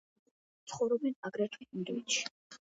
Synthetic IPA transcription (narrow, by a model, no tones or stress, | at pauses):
t̪sʰχɔvɾɔbɛnaɡɾat̪ʰwiinɾɔvit̪ʰʃi̥